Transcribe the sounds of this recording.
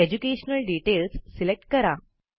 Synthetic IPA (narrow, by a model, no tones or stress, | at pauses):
ed͡ʑukeɕnəlɖiʈelsːilek̚ʈ̚kəɾa